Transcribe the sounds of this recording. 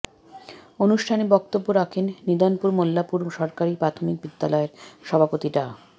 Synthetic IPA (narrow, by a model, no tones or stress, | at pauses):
onuʃʈʰanebɔk̚t̪obːoɾakʰenːid̪anpuɾmolːapuɾʃɔɾkaɾipɾat̪ʰomik̚bid̪ːalɔeɾʃɔbʱapot̪iʈa